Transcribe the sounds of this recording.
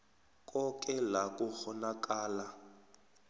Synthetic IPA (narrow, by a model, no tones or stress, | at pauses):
kʼɔk̬ʼɛlakʼuhɔnak̬ʼaːla